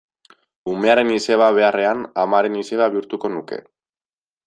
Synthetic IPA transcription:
ume̞aɾe̞nise̞β̞aβ̞e̞are̞anamaɾe̞nise̞βaβiuɾt̪uko̞nuke̞̰

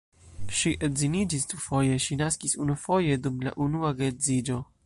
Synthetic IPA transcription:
ʃiʔezinid͡ʒisdufo̞je̞ʃinaskisunufo̞je̞dumla̰ʔunuaɡezid͡ʒo̞

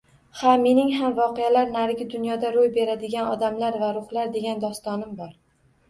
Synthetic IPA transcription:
hame̞nɪŋɦamvɒqejalaɾnaɾɡʲɪd̪ʊnjɒd̪aɾojbe̞ɾad̪ɪɡʲanɒd̪amlaɾvaɾʊhlaɾd̪e̞ɡʲand̪ɒst̪ɒnɪmbɒɾ

